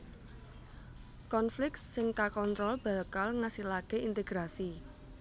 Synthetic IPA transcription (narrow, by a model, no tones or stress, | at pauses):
kɔnflɪk̚t̪sɪŋkakɔnt̪ɾɔlb̥a̤ləkalŋasilakeint̪eɡ̥ɾasi